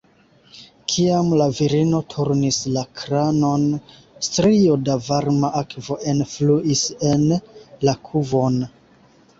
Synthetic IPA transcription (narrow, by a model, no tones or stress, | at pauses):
kʰiamlaviɾino̞tʰuɾnislakʰɾano̞n | stɾiodavaɾmaʔakvo̞ʔe̞nfluʔise̞nlakʰuvo̞n